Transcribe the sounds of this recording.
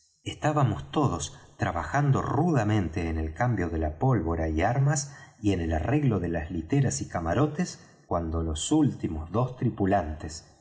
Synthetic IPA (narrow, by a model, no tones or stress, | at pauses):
est̪aβamo̞st̪o̞ð̞ost̪ɾaβaxand̪o̞̰ruðamẽ̞nt̪e̞ːne̞lkambjo̞ðe̞lapo̞lβo̞ɾaiaɾmasie̞ne̞lare̞ɣlo̞ðe̞laslit̪eɾasikamaɾo̞t̪es | kwand̪o̞lo̞sult̪imozðo̞st̪ɾipulant̪es